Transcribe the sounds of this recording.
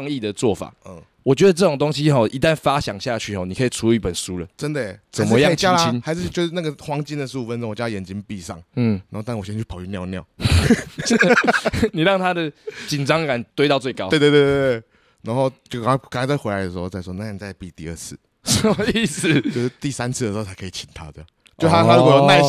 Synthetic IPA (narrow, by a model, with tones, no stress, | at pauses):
ŋi˥˩d̪ə˨t͡swɔ˥˩fa̰˨˩˦ə˩ | wɔ˨˩t͡ɕɥɛ˧˦˥d̪ə˧ʈ͡ʂɤ˥˩o˨˩ŋt̪o˥˦ŋɕi˦˥xɔ˥˧˩ʔi˧˦t̪a˥˨nfa˦ɕjɑ˨˩ŋɕja˥˩t͡ɕʰy˥˩hɔ˥˩ni˨˩kʰə˧˥i˨˩ʈ͡ʂʰu˧˥˧i˥˩pə˨nʂu˦lə˨ʈ͡ʂə˦nd̪ə˨˩t͡sə˨˩nmə˨˦˥jɑ˥˨t͡ɕjla˦nxa˧˥ɪʂɻ̩˥˧t͡ɕjo˥˧ʂ̩˥˩na˥˩ɡə˨˩xwɑ˥ŋt͡ɕi˥˧nd̪ə˨ʂu˥˩u˨˩fə˦nʈ͡ʂõ˥˦ŋwt͡ɕja˧˨jɛ˨˩nt͡ɕi˦ŋpi˥˧˨sɑ̰˥˨ŋn̩˥˩a˨˦xo˥˧t̪wɕɛ˥t͡ɕʰy˥˩pʰy˥˧njɑ˥˧ʊnjɑ̰˥˨˩ʊ | ni˨ɻɑ˥˨ŋt̪ʰa˥d̪ə˨t͡ɕi˨˩nʈ͡ʂɑ˦ŋka˨˩nt̪we˥ɪt̪ɑ˥˧ʊt͡swɪtkɑ˥˦we˥˧t̪we˥˧t̪e˥˧te˥˩ | na˧˥nxo˥˧ʊt͡ɕjo˥˧kkŋa˥˧t͡sa˥˩ɪxwɪa˦ɪd̪ə˩ʂ̩˧xo˥˧t͡sa˥˧ɪsʂwɔ˥˧na˥˩a˥˩ni˨˩t͡sa˥˧ɪpi˥˧˨t̪ḭ˥˧ə˥˧t͡sʰɹ̩˥˩ | si˥˧˩s̩˨˩t͡ɕjo˥˧ʊʂ̩˥˧t̪i˥˩sa˦nt͡sʰɹ̩˥də˨˩˨o˥˧˩t͡sʰa˦ɪkʰə˧˥i˨˩t͡ɕʰi˨˩nt̪ʰa˥t̪e˥˩ja˥˩˨ | t͡ɕjo˥˧ʊt̪ʰa˥a˥lu˥˧o˨jo˥˧˦na˥˧